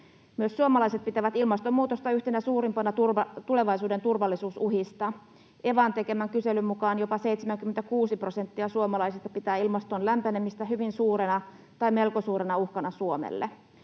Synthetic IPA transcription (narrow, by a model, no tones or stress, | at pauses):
myøsːuomɑlɑjse̞t̪̚pit̪æʋæt̪ilmɑst̪omːuːt̪ost̪ɑyht̪enæsuːɾimpɑnɑt̪urt̪ule̞ʋɑjsuːde̞nt̪urʋɑlːisuːsuɦist̪ɑ | ʔe̞ʋɑnt̪e̞ke̞mæŋkyse̞lymmukɑːnjo̞pɑse̞ijt̪semæŋkyment̪ækuːsiprose̞nt̪ːiɑsuomɑlɑisist̪ɑpit̪æːilmɑst̪onlæmpænemist̪æɦyʋinsuːɾenɑ | t̪ɑjme̞lko̞suːɾenɑuhkɑnɑsuomḛlːḛ